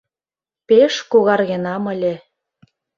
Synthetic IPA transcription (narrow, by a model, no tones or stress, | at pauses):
peʃkuɣɑrɣĕnɑmə̆lʲĕ